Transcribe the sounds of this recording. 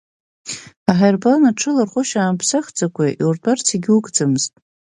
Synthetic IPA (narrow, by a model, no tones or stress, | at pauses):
aħajrblanaʈ͡ʂʰɨlarχʷʊʃaːmpʰsaχd͡zakʷʰʼaʔiurtʼart͡sʰiɡʲukʼd͡zamɨztʼ